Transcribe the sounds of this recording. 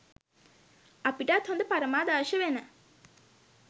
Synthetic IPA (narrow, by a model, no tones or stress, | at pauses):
apiʈat̪hond̪əpaɾəmaːd̪aːʃəʋenə